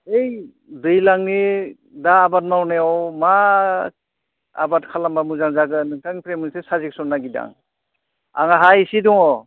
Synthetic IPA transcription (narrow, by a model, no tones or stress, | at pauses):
ej | dɯjlaŋni | daːbat̚nawnejawma | a̰bat̚kʰalambamuzaŋzaɡɯnɯŋtʰaŋpʰɾemɯnsesazik̚sɔnːaɡida̰ŋ | a̰ŋaɦajsidɔŋɔ